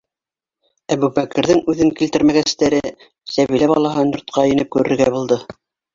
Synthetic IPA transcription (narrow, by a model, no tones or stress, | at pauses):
æβʉbækɘ̆ɾðɘŋʉðɘŋkilt̪ɘ̆ɾmæɡæst̪æɾɘ | sæβilæβɑlˠɑɦɤnjŏɾt̪̚qɑɘ̆nɘp̚kʉɾɘ̆ɾɡæbulˠd̪ɤ